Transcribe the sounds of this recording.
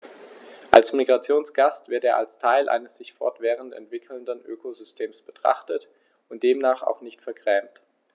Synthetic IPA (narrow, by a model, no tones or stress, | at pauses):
ʔalsmiɡʁat͡sjoːnsɡ̥astv̥ɪɐteːɐʔalstʰaɪlʔa̰ɪnəsz̥ɪçfɔ̰ɐtv̥ɛːʁ̞əntɛ̰ntv̥ɪkʰl̩ndənʔøːkozʏstʰeːmsb̥ətʁ̥a̰χtət | ʊnt̚d̥eːmnaːχa̰ʊxnɪçtfɛɐɡʁ̥ɛːmt